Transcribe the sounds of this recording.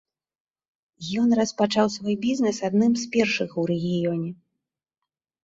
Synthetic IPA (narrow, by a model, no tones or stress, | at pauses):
jɔnrɐspat͡ʂawsvɔjbʲiznɛsad̪nɨmzpʲɛrʂɨxwɾɛɣʲijɔnʲɛ